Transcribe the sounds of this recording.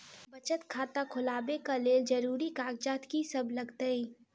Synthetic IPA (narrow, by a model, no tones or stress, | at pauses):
bɐt͡ʃət̪kʰaːt̪akʰʊlaːbekaleːld͡ʒɐɾuːɾikaːɡd͡ʒaːt̪kisɐblɐɡt̪əiː